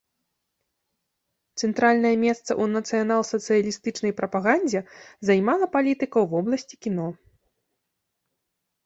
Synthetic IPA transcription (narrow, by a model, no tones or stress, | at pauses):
t̪sɛnt̪ɾalʲnɐjɐmʲɛst̪sɐ̰ʔunɐt̪sɨjanalˠsɐt̪sɨjɐlʲist̪ɨt͡ʂn̪ɐjpɾɐpaɣanʲd͡zʲɛzajmalˠɐpalʲit̪ɨkɐwvɔblˠɐsʲt͡sʲikʲin̪ɔ